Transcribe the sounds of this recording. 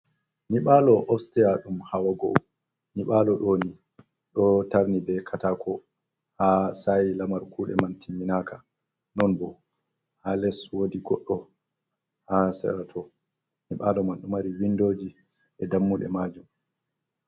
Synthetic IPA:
niɓaːlɔʔɔfstɛjaɗumhawaɡo̰ | niɓalɔɗoːni | ɗɔtaɾnibɛkʰataːkʰɔ | hasajilamaɾkuːɗɛ̰mantʰimːinaːkʰa | nɔnbɔ | halɛswodiɡɔɗːɔ | hasɛ̰ɾatʰɔ | niɓaːlɔmanɗumaɾiwindoːd͡ʒi | ʔɛdamːuɗɛ̰maːd͡ʒum

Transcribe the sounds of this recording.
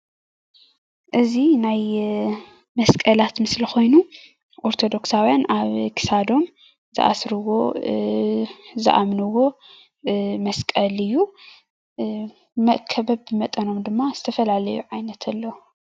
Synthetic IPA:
ʔɨzinaj | mɐskʼɐlat̪mɨslixo̞jnu | ʔoɾt̪ʰo̞d̪o̞ksawjanaβkʰi̥sad̪o̞m | zɨ̰ʔa̰sɾɨwo | zɨ̰ʔa̰mnɨwo̞ | mɐskʼɐlɨjːu | mɐʔkʰɐbɐbːɨmɐt̪ʼɐno̞md̪ɨmːaz̥ɨt̪ʰɐfɐlalɐjuʕajnɐt̪ʰɐlːɐw

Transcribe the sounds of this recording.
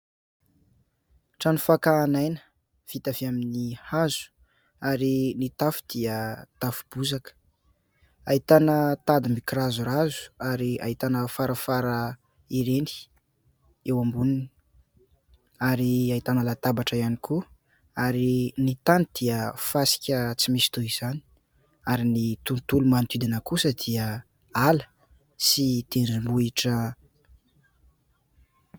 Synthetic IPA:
ʈ͡ʂanufakaːnajnə̥ | fit̪aviaminihazu̥ | aɾinit̪afu̥d̪̥iət̪afu̥b̥uzakə̥ | ait̪anət̪ad̪imikirazuɾazu̥aɾia̰it̪anəfaɾəfaɾə | iɾeni̥ | ewambunini | aɾiait̪anəlat̪abaʈ͡ʂəianikʰu | aɾinit̪anid̪̥iəfasi̥kʲət͡simisi̥t̪uiz̥ani̥ | aɾinit̪unt̪ulumant̪id̪inəkusəd̪̥iə | alə̥ | sit̪eɳɖ͡ʐimbuiʈ͡ʂə

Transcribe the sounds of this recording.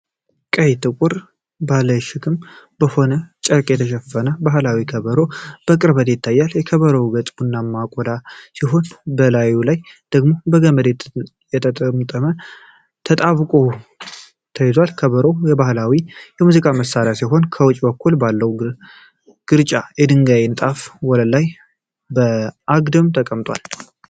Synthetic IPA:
kʼəjt̪ʰɨkʼʊɾ | bahləjʃɪkʰɨmbəho̞nət͡ʃʼəkʼjɛt̪ʰəʃɛfːənəbaɦlawikʰəβəɾo̞b̥əkʼɨɾbət̪jɪt̪ʰːajːaljɛkʰəβəɾəwɡət͡s̪ʼbunːamːakʼɔd̪asiɦo̞nbəlajulajd̪̥əɡmo̞bəɡəməd̪et̪ | jɛt̪ʰət̪ʼəmt̪ʼəmə | t̪ʰət̪ʼaβkʼo̞ | t̪ʰəjzwalkʰəβəɾowjɛbahlawijɛmuzikʼaməsːaɾjasiɦo̞nkʰəwɔt͡ʃʼːbəkʰːulbalːəwu | ɡ̥ɨɾt͡ʃʼajɛd̪ɨŋɡajenɨt̪ʼafwɔləlaj | bəʔaɡd̪ɨmt̪ʰəkʼəmt̪ʼwa̰l

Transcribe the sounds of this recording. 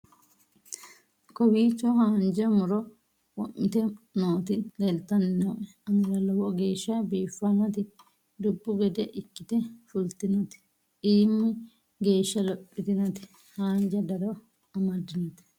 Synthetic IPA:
kɔwiːt͡ʃːɔhaːnd͡ʒɐmʊɾɔ | wɔʔɪt̪ɛnoːt̪ɪd̪ɛlt̪ːɐnnoʔɛ | ɐnɪɾɐlɔwɔɡe̞ːʃːɐbiːfːɐnɐt̪ɪ | d̪ʊbːʊɡɛd̪ɛʔɪkːɪt̪ɛfʊlt̪ɪnɐt̪ɪ̥ | iːmːɛ | ɡe̞ːʃːɐlɔpʼːɪt̪ɪnɐt̪ɪ̥ | haːnd͡ʒɐd̪ɐɾɔ | ɐmɐd̪ːɪnɐt̪

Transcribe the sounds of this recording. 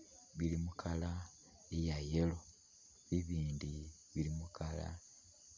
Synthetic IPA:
βilimukʰala | ejajelo̞ | βiβiːndi | βilimukʰala̰

